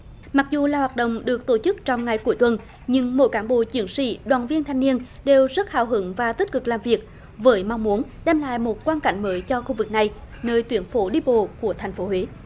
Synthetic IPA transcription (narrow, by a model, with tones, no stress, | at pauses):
ma˨˩k̚zu˨˩laː˨˩hwaː˨˩t̚ɗə̰˧˨ŋ͡mɗɨ˨˩ək̚t̪o˧˩t͡ɕɨ˦˥k̚t͡ɕɔ˧wŋ͡mŋa˨˩jku˧˩əjt̪wə˨˩n | ɲɨ˧ŋmo̰˧˥jkaː˨˦nɓo̰˧˨t͡ɕi˨˦əŋsḭ˧˥ɗwa̰ː˧˨nvi˧ənt̪ʰa˧jŋ̟ni˧ənɗe˨˩wzə˦˥t̚ha̰ː˧˩wɦɨ˨˦ŋvaː˨˩t̪i˦˥t̚kɨ˨˩k̚laː˨˩mvi˨˩ək̚ | vəː˨˦jma˧wŋ͡mmu˨˦ənɗɛ˧mla̰ː˧˨jmo˨˩t̚kwaː˧nka̰˧˩jŋ̟məː˨˦jt͡ɕɔ˧xu˧vɨ˨˩k̚na˨˩j | nəː˧jt̪wi˨˦ənfo˨˦ɗi˧ɓo̰˧˨ku˧˩ət̪ʰa˨˩jŋ̟fo˨˦ɦwe˨˦